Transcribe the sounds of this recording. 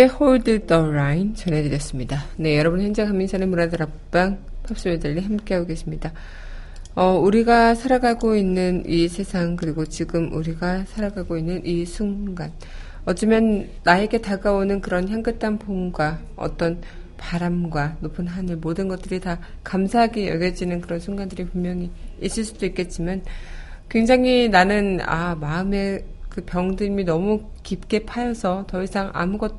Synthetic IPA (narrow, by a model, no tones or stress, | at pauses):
ehoɭdɯdʌɾaint͡ɕʌnɦe̞dɯɾjʌs͈ɯmɲidane̞jʌɾʌbɯnçjʌnd͡ʑekʰamːinsʰanɯmunadɯɾapp͈aŋpʰap̚s͈ɯmedɯɾiɦamk͈eaoɡe̞sʰimɲida | ʌuɾiɡasʰaɾaɡaɡoinːɯnisʰe̞sʰaŋkɯɾiɡot͡ɕiɡɯmuɾiɡasʰaɾaɡaɡoinːɯnʔisʰuŋɡan | ʌt͡ɕ͈ɯmjʌnː | ae̞ɡe̞taɡaonɯnkɯɾʌnçjaŋɡɯt͈ʰanpoŋɡwa | ʌ̰t͈ʌn | paɾamɡwanopʰɯnɦanɯɭmodɯnɡʌt͈ɯɾita | kamsʰaɦaɡijʌ̰ɡjʌd͡ʑinɯnkɯɾʌnsʰuŋɡandɯɾiɸummːjʌŋiis͈ɯɭs͈udoik͈e̞t̚t͡ɕ͈iman | kwe̞ŋd͡ʑaŋɦinanɯna̰maɯme̞kɯpjʌŋdɯminʌmu | kip̚k͈e̞pʰajʌsʰʌtʌisʰaŋʔa̰muɡʌt̚